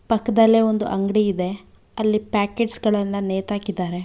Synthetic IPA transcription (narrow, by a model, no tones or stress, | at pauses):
pɐkːɐd̪ɐlːe̞o̞nd̪uʔɐŋɡɽiːd̪e̞ | ɐlːipaːkeːɖsɡɐɭɐnːɐneːt̪aːkid̪aːɾe̞